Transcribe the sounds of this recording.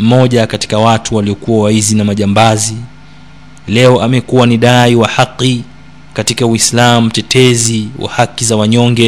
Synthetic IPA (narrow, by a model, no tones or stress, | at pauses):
m̩mɔʄakati̥kawatuwaliɔkuwawaizinamaʄambazi | lɛɔʔamɛkuwaniɗaiwahaqːi | katikauislamutɛtʰɛziwʔa̰hakizawaɲɔŋɡɛ